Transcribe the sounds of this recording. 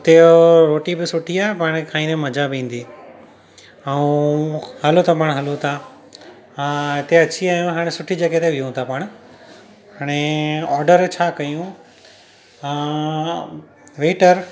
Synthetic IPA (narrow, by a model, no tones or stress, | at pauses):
t̪eoɾoːʈibɪsʊʈʰiaːɦepaːɽ̃kʰaːĩnẽmɐd͡ʑʱabĩːn̆d̪iː | ɐũhɐlot̪ʰapaːɽ̃ɦɐlot̪ʰa | ɪt̪eɐt͡ɕʰiaːjũɦaːɽ̃ẽsʊʈʰid͡ʑɐɡet̪eʋijũt̪ʰapaːɽ̃ʊ | ɦaːɽ̃eɔːɾɖəɾt͡ɕʰaːkɐjũ | ʋeːʈəɾ